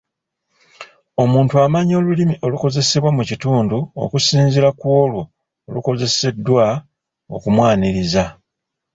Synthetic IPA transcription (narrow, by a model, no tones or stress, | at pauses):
o̞muːntuamaɲo̞ːlulimiʔo̞luko̞ze̞se̞βwamucituːnduo̞̰kusiːnzilakwo̞ːlwo̞ː | luko̞ze̞se̞dːwa | o̞̰kumwaːniɾiza